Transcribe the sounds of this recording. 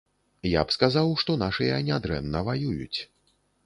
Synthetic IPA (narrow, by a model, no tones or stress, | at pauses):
ja̰pskazawʂt̪ɔnaʂɨjɐnʲad̪ɾɛnːɐvajujut͡sʲ